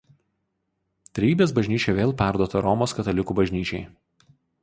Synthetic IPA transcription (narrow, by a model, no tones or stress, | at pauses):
t̪ʲɾʲɛiːbʲeːsbɐʒʲnʲiːt͡ʃʲɛʋʲeːlˠpʲæˑɾd̪uɔt̪ɐɾɔmoːskɐt̪ɐlʲɪkuːbɐʒʲnʲiːt͡ʃʲɛɪ